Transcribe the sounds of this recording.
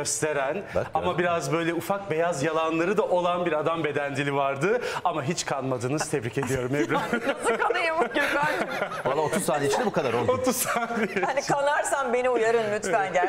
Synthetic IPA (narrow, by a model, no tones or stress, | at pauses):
øst̪ʰe̞ɾænamabiɾazbø̞jlʲɛufak̚be̞jazjalˠanlˠaɾɯd̪aʔo̞lˠanbiɾad̪ambe̞d̪ænd̪ilʲivaɾd̪ɯamaɦit͡ʃkʰanmad̪ɯːnɯz̥t̪ʰɛbɾice̞d̪ijo̞ɾumebnskaɯjamɯɟiɾmalalːˠaot̪uzsaːneit͡ʃʰind̪ɛbukʰad̪aɾolˠot̪uz̥t̪ʰaːnehanikʰanaɾsanbe̞niujaɾɯnlʲyt̪fænja